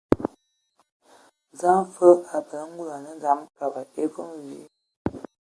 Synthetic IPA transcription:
za˦mfə˦a˨bə˨lə˦ŋ̩˦ɡu˦la˨nə˦za˨˦mka˨ba˨e˦ɡo˦mwi˨˦

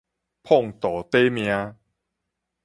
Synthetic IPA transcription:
pʰo˥˩˨ŋt̪ɔː˨˦t̪e˦mi˧a˧

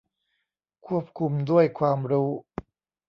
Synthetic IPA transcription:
kʰu˥˩əp̚kʰu˧md̪u˥˩əjkʰwaː˧mɾuː˦˥

